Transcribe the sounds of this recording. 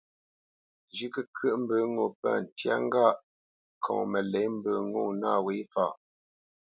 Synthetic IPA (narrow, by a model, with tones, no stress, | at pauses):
d͡ʒi˦kə˦kɥə˦ʔm̩˦bə˨˦ŋo˨pa̰˦˨n̩˨tja̰˦ŋ˦ɡa˦˨ʔ | kʰɔ̰̃˨ŋmə˨lɛ˨˦m̩˦bə˨ŋo˦˨naː˦˨we˨˦fa˦˨